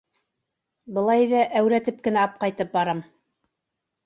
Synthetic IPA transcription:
bɤ̆lˠɑjðæʔæwɾæt̪ɘp̚kɘ̆næɑp̚qɑjt̪ɤp̚bɑɾɤm

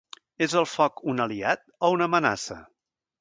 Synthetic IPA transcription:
ezəlˠfɔkunəliat̪̚ɔunəməna̰sə̰

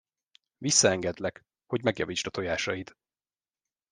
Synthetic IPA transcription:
visːɒɛŋɡɛd̪lɛk | ho̞ɟmɛɡjɒviːt͡ʃt̪ɒt̪ojaːʃɒjit̪

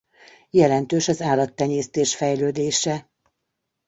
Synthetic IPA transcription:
jɛlɛnt̪øːʃɒzaːlɒt̪ːɛɲeːst̪eːʃfɛjløːd̪eːʃɛ

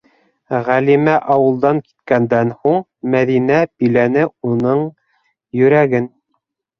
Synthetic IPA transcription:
ʁælimæʔɑwɤ̆lˠd̪ɑŋki̥t̪kænd̪ænhuɴ | mæðinæbilænɘunɤɴ | jɵ̆ɾæɡɘn

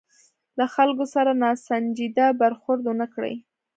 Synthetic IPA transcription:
laxalkosaɾanɑsand͡ʒid̪abaɾxʊɾd̪wʊnakɽə̰j

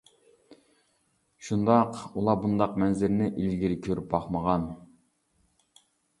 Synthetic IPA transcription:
ʃund̪ɑqulˠɑbund̪ɑqmɛnzɪɾnɪʔilɡʲiɾɪkʲʰøɾyp̚bɑχməʁɑn

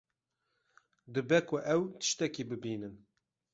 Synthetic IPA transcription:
d̪ɨbɛkʰʊʔɛwt̪ɨ̥ʃt̪ɛkibɨbiːnɨm

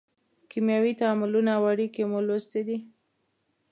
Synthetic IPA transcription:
kimjawit̪aːmʊlunawaɽikemolost̪ed̪i

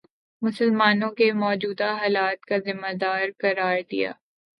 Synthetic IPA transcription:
mʊsəlmaːnõkemɔːd͡ʒuːd̪aɦaːlaːt̪̚kazɪmːad̪aːɾkɐɾaːɾd̪ḭja̰ː

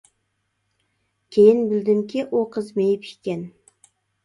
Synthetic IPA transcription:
kʲʰejɪnbɪld̪ɪmkʲʰiʔoqʰəzmejɪpikʲɛn

